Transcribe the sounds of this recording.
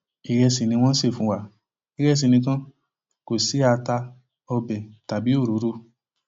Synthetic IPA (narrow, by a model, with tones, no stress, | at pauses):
i˨ɾɛ˧si˨nĩ˧w̃ɔ̃˦se˦˨fũ˨˦wa˧˦ | i˦ɾɛ˦˨s̬i˨˧˨nĩ˧kã˦ | ko˨si˨˦a˧ta˧ | ɔ˧bɛ˨ta˨bi˨˦o˦˨ɾo˨˦ɾo˦